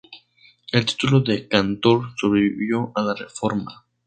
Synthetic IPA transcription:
e̞lt̪i̥t̪uloðekant̪o̞ɾso̞βɾeβḭβjo̞ʔalarefo̞ɾma̰

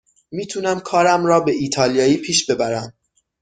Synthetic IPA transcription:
miːt̪ʰunæmkʰɒːɾæmɾɒːbe̞ʔiːt̪ʰɒːlijɒːjiːpʰiːʃbe̞bæɾæm

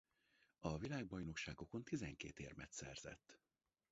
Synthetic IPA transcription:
ɒvilaːɡ̚bɒjno̞kʃaːɡo̞ko̞nt̪izɛŋkḛːt̪eːrmɛt̪sɛ̰rz̥ɛ̰t̪ː

